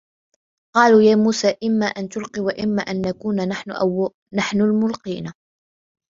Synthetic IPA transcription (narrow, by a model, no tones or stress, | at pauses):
qɑːluːjaːmuːsaːʔɪmːaːʔant̪ʊlqiwaʔɪmːaːʔanːakuːnanaħnʊʔa̰w | naħnʊlmʊlqiːna